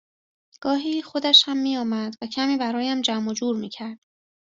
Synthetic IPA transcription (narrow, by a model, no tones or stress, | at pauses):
ɡ̥ɒːɦiːxo̞d̪æʃhæmːiːjɒːmæd̪væcʰæmiːbæɾɒːjæmd͡ʒæmod͡ʒuːɾmiːcʰæɾd̪̥